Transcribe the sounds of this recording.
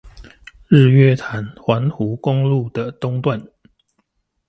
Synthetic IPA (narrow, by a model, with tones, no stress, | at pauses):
ɻ̩˥˨ɥɛ˥˦t̪ʰa˨˦nxwa˨˥nhu˨˦kʊ˦ŋlu˥˨d̪ə˨˩t̪ʊ˥˦ŋt̪wa˥˨n